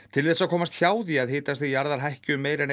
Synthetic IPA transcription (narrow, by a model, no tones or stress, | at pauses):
t̪ʰɪlθɛsːakʰɔːmast̪çaːwðiaðɦɪːt̪ast̪iijaɾðaɾ̥ɦahcʏmːeːjɾɛn